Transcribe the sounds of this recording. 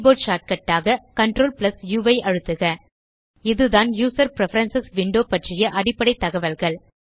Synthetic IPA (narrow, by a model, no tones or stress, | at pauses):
boːʈʃaːʈ̚kɐʈːaːɣɐkɐɳʈɾoːlplɐsjuːʋɐɪʔɐɻɯt̪ːɯɣɐ | ɪðɯðaːnjuːsɐɾpɪɾɛfɐɾɐnsɪsʋɪɳɖoːpɐʈrɪjɐʔɐɽɪpːɐɽɐɪt̪ːɐɣɐʋɐlɣɐɭ